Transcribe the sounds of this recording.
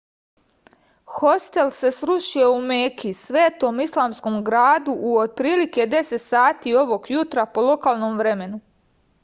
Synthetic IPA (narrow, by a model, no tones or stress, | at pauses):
xost̪e̞lse̞sɾuʃije̞umeːkisʋe̞ːt̪o̞mislˠaːmsko̞mɡɾaːd̪uʔːod̪̚pɾiːlike̞d̪e̞se̞t̪saːt̪io̞ʋo̞ɡjut̪ɾapo̞lo̞kaːlˠno̞mʋɾeme̞nu